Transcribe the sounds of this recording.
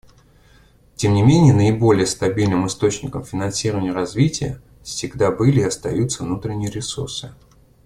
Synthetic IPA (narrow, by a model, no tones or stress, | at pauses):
tʲe̞mnʲɪmʲenʲɪjənəɪbo̞lʲɪjəst̪ɐbʲilʲnɨmɨst̪o̞t͡ɕnʲɪkəmfʲɪnɐnsʲiɾəvənʲɪjəɾɐzvʲitʲɪjə̰ | fsʲɪɡd̪abɨlʲɪːɐst̪ɐjut̪səvnut̪ɾʲɪnʲɪjəɾʲɪsṵrsɨ